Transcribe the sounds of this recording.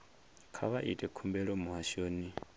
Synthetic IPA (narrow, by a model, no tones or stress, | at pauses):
kʰa̰βaʔitʼɛkʰumbɛɺɔmuɦaʃoːni